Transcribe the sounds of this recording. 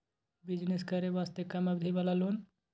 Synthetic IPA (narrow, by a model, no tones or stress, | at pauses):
bid͡ʒneskəɾeʋast̪ekəməbd̪ʱiβalalon